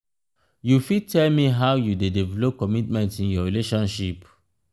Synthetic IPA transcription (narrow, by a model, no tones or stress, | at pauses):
jufid̚tɛlmiɦawjudedevɛlɔp̚kɔmitmɛ̃ntĩnjɔɹileʃɔ̃nʃip